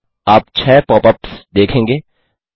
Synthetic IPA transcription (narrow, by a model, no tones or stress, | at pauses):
aːp̚t͡ʃʰɛːpɔːpəpsd̪eːkʰẽːŋɡeː